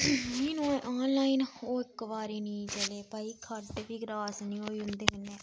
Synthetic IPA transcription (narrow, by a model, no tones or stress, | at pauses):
miːnũẽʔaːnlaːiːnoːɪkʋaːɾiːnĩːt͡ʃəleːpaːiːkʰəɾd̪epiːɡɾaːsnĩːoːiːʊ̃nd̪eːkɪnːeː